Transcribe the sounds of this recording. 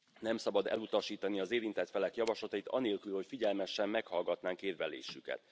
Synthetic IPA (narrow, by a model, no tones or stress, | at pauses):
nɛmsɒbɒd̪ɛ̰lut̪ɒʃiːt̪ɒniɒzeːɾint̪ɛt̪fɛlɛkjɒvɒʃlɒt̪ɒit̪ɒ̰neːlkylho̞cfiɟɛlmɛʃːɛmːɛkhɒlɡɒt̪naːŋkeːrvɛlḛːʃykɛ̰t̪